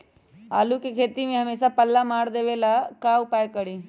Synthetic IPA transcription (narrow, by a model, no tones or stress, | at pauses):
aːlukekʰeːt̪imẽɦɐmeːsapɐlːamaːɽd̪eʋelakaupajkəɽi